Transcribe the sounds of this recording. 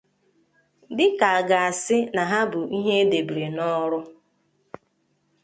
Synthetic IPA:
dɪ˦ka˨a˨ɡa˨a˨sɪ˦na˨ɦa˦bʊ˨ʔi˦ɦe˦de˨bɾe˨nɔ˦ɾʊ˦

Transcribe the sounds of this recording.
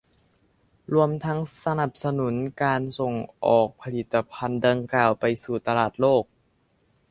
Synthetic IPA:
ɾu˧əmt̪ʰa˦˥ŋsa˧na˨˩p̚sa˧nu˩˦nkaː˧nso˨˩ŋʔɔː˨˩k̚pʰa˧li˨˩t̪ːa˧pʰa˧nda˧ŋkaː˨˩wpa˧jsuː˨˩t̪a˧laː˨˩t̪̚loː˥˩k̚

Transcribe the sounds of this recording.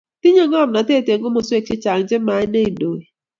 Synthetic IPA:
ti˦ɲe˦ŋɔ˦˨m˨na˨te˦˨te˨ŋ˦ɡo˦mo˨swe˦t͡ʃɪ˦t͡ʃa˨ŋ̩˨˦d͡ʒɪ˦ma˨˦ɪ˦ne˦i˨do˨e˨

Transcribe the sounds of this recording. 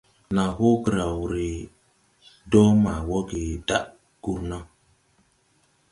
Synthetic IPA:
na˨ho˦kə˨ɾa˨wɾi˨ | dɔ˦ma˨wɔ˦ɡi˨da˦ʔ | ɡ̥u˦ɾna˦

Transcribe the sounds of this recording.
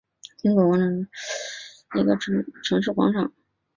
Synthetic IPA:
t͡ɕi˥ŋkɔ˧˩wɔ˧˥nə˧˩˧ | i˧˥ɡə̰˧ʈ͡ʂʰɤ˧˥ŋʈ͡ʂʰɤ˧˥ŋʂ̬ɻ̩˥˩kwɑ̰˧˥ŋʈ͡ʂʰɑ˨˩˦ŋ

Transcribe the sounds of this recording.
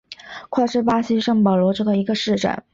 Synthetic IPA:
kʰwa˥˩ɪʂɻ̩˥˩pa˥ɕi˥ʂɤ˥˩ŋpɑ˨˩lwɔ˧˥ʈ͡ʂɤ˥˩ɡə˩i˧˥ɡə˧ʂɻ̩˥˧ʈ͡ʂə̰˥˩˦n

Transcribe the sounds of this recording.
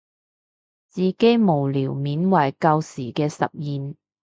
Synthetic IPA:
t͡siː˨ke˥jmo˨˩wliː˨˩wmiː˨˥nwɐ˨˩jkɐ˧wsiː˨˩kɛː˧sɐ̰˨p̚jiː˨n

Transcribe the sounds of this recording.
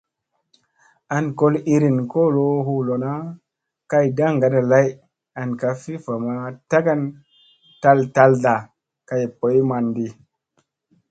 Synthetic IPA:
a˨nko˦li˧ɾi˨nko˦˨lo˦ɦu˧˦lo˨na˦ | ka˧jda˦ŋ˨ɡa˨na˨la˦j | a˨nka˧fi˦fa˨ma˧ta˦ɡa˦n | ta˦lta˧lda˨ | ka˨jpo˨˦jma˧ndi˧

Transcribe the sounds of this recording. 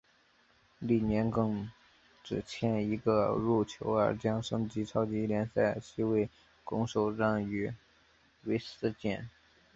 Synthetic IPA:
li˥˩njɛ˧˥nkɤ˥˩ŋ | ʈ͡ʂɻ̩˨˩t͡ɕʰjɛ˥˩ni˧˥ɡə˧ɻu˥˩t͡ɕʰjo̰˧˥ʊə̰˞˧˥t͡ɕjɑ˥ŋʂɤ˥ŋt͡ɕi˧˥t͡sʰɑ˥ʊt͡ɕi˧˥ljɛ˧˥nsa˥˩ɪɕi˥˧we˥˩ɪ | kʊ˧˥ŋʂo˨˩ʊʈ͡ʂa˥˩ŋy˧˥ | we˧˥ɪsɹ̩˥˧t͡ɕjɛ˥˩n

